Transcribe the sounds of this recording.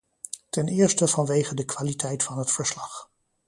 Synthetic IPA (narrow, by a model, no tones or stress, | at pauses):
tɛnɪːɹstəv̥ɑnʋejχədəkʋaːlitʰɛjtfɑnɦətfəɹslɑχ